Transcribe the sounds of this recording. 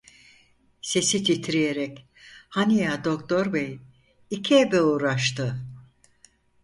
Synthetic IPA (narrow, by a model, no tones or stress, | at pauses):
se̞sit̪ʰit̪ʰiɾije̞ɾɛc | hanijad̪o̞kt̪ʰo̞ɾbɛj | icʰiebɛuːɾaʃt̪ʰɯ